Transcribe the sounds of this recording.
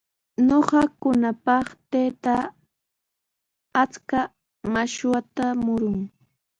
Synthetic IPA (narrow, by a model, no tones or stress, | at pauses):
noɢɑkʊnapɑχt̪ejt̪a | t͡ska | maʃwat̪amʊɾʊŋ